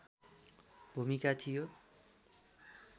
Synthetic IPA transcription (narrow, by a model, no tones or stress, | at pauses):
bʱumikat̪ʰijo